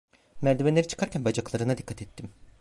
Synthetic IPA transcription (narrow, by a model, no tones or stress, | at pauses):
mæɾd̪ebenlʲeɾit͡ʃʰɯ̥kʰaɾcʰænbad͡ʒaklˠaɾɯnad̪ikʰːat̪ʰɛt̪ʰːim